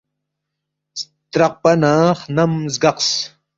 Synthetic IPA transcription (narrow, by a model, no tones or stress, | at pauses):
s | t̪ɾɐq̚pɐnaːχnɐmzɡɐqs